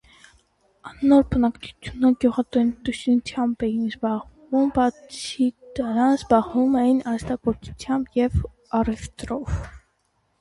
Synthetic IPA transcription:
ɑnnːɔɾbənɑkt͡sʰu̥t͡sʰjunəɡjuʁɑt̪ɔnt̪ust͡sʰjɑmbɛjinzbɑʁvumbɑt͡sʰid̪əɾɑnzbɑʁvumɛjinɑst̪ɑkɔɾt͡sʰu̥t͡sʰjɑmbjɛv | ɑrɛft̪ɾɔv

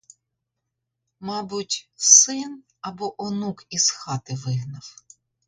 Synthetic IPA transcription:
mɑbʊtʲsɪn | ɐbɔʔɔnukiz̥xɑt̪ɪʋɪɦnɐw

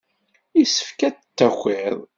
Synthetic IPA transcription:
isə̥fkætt͡sːæxʷeðˤ

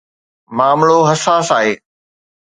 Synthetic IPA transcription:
maːmɭoɦɐsaːsaːɦeː

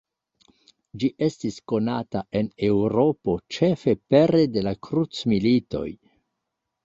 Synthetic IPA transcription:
d͡ʒiʔe̞stisko̞nataʔe̞ne̞wɾo̞po̞t͡ʃe̞fe̞pe̞ɾe̞de̞lakɾut͡smilito̞̰j

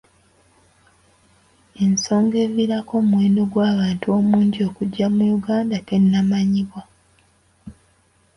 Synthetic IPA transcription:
e̞nso̞ːŋɡe̞viɾako̞ːmweːnoɡwaːβaːntuo̞ːmuːɲɟio̞kuɟːamujuɡaːndake̞nːamaɲiβwa

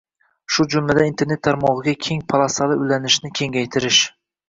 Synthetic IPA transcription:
ʃʊd͡ʒʊmlad̪aĩnt̪ʰe̞ɾne̞t̪ʰːaɾmɒʁɨɡʲakʲʰe̞ŋpʰalˠasalɪʊjlanɪʃnɪkʲʰe̞ŋɡʲajt̪ʰɪɾɪʃ

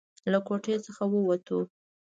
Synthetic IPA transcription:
lakoʈet͡səxawəwat̪u

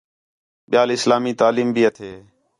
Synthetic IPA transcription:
ɓɪjaːlɪslaːmiːt̪aːliːmbiːət̪ʰeː

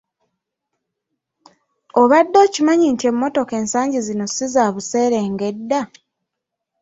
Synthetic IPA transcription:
oβadːo̞ːcimaɲintie̞mːo̞to̞ke̞ːnsaːɲɟizino̞sizaːβuse̞ːɾe̞ːŋɡe̞dːa

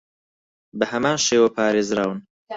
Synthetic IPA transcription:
bɐhɐmaːnʃeːwɐpʰaːɾeːzɾaːwɨn

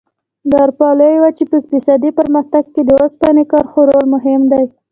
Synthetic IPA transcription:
d̪ɑɾpɑləjwat͡ʃepəɪk̚t̪ɪsɑd̪ipəɾmaxt̪aɡ̚ked̪əospɑnekɑɾxoɾolmʊɦɪmd̪aj

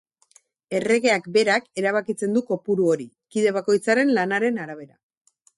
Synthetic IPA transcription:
e̞re̞ɣe̞akbe̞ɾake̞ɾaβ̞akit͡se̞nd̪uko̞puɾuo̞ɾi | kiðe̞β̞ako̞jt͡saɾe̞nlanaɾe̞naɾaβ̞e̞ɾa

